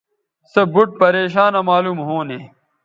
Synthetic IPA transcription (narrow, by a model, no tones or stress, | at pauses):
sɐbuʈ̚pɐɾeːɕaːnɐmaːluːmɦoːneː